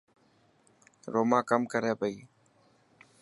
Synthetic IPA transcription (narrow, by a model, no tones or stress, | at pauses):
ɾoːmãːkəmkəɾeːpəiː